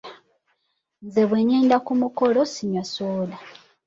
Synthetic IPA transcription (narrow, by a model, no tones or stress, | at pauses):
nzeβweːɲeːndakumukolosiɲwasoːla